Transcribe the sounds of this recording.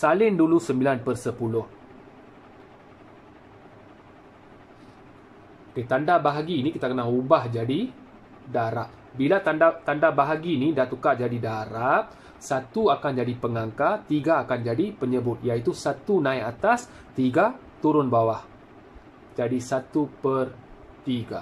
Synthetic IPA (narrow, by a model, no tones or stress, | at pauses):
salɪndulusəmbilanpərsəpulʊh | oket̪andabaɦaɡiːnĩkit̪akənaɦubahd͡ʒadi | daɾaʔ | bilat̪at̪andabaɦaɡinidat̪ukaʔd͡ʒadidaɾaʔ | sat̪uakand͡ʒadipəŋaŋkat̪iɡaːkand͡ʒadipəɲəbʊt̪̚jait̪usat̪unãiat̪as | t̪iɡa | t̪uɾʊnbawah | d͡ʒadisat̪upər | t̪iɡa̰